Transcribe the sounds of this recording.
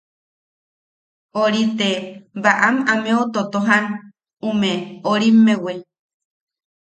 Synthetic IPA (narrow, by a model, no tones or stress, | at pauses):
oɾit̪ebaʔamamẽot̪ot̪oɦan | umẽoɾimẽwe